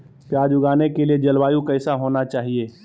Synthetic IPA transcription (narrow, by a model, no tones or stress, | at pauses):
pjaːd͡ʒʊɡaːnekelied͡ʒɐlwaːjũkəɪsaɦoːnat͡ʃaːɦieː